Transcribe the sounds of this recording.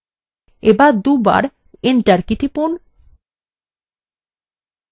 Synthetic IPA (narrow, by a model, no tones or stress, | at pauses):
ebad̪uba̰ɾ | eɳʈaɾkit̪ipun